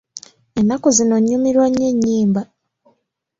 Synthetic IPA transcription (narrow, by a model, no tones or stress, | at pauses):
enːako̞zino̞ɲːumiɾwaɲːeɲːiːmba